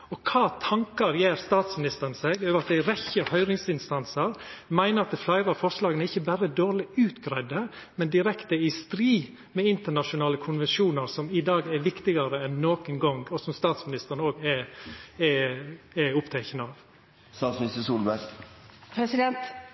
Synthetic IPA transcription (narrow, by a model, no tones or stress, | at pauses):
ɔkʰɑːt̪ʰɑŋkɑɾjeːɾst̪ɑːt̪smɪnɪst̪əɾnseːɡøːʋəɾɑt̪̚d̪æɪɾɛçəhœʏɾɪŋsɪnst̪ɑnsəɾmæɪnəɾɑt̪̚d̪ɛflɑɪɾɑfɔʂlɑːɡənəɪçːəbæɾəd̪oːɾɭɪʉːt̪ɡɾæɪd̪ə | mɛnd̪ɪɾɛkt̪əɪst̪ɾiː | mɛɪnt̪əɳɑʃʊnɑːləkʰʊnʋɛnʃuːnəɾsɔmɪd̪ɑːɡɛɾʋɪkt̪ɪɡɑɾəɛnːoːkənɡɔŋɔsɔmst̪ɑːt̪smɪnɪst̪əɾnəoːɡɛ | ɛ | ɛʊpt̪ʰɛɪkənəɑːʋ | st̪ɑːt̪smɪnɪst̪əsuːlbɛ | pʰɾɛsɪd̪ɛnt̪